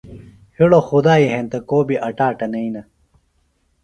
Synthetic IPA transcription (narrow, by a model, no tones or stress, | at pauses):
hiɽoxud̪aːiɦent̪ɐkoːbiʔɐʈaːʈɐnɐinɐ